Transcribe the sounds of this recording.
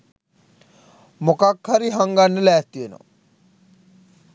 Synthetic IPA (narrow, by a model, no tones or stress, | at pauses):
mʊkakʰːaɾiɦaŋɡanːəlɛːst̪ieno̰